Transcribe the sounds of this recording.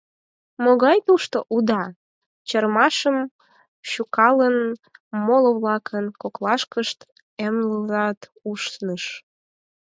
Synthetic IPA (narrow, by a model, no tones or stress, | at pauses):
moɣɑjt̪uʃt̪oʔud̪ɑ | t͡ɕərmɑʃəm | ɕukɑlənmoloβlɑkʰənkoklɑʃkəʃt̪ | emləzɑt̪uʃnəʃ